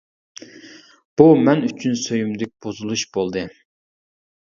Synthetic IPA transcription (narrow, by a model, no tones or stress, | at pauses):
b̥umɛnyt͡ʃʰynsøjymd̪ɪk̚ʲb̥ozulˠuʃb̥olˠd̪ɨ